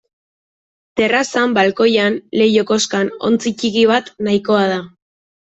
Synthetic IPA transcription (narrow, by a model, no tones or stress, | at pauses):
t̪e̞rasambalko̞janle̞joko̞skano̞̰nt͡sit͡ʃikiβ̞at̪najko̞að̞a